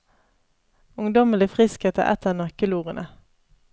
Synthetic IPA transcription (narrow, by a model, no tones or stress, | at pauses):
ʊŋd̪ɔməlɪfʁɪskət̪ʰə̰ʔɛ̰t̪ʰənɑkəluːʁənʔə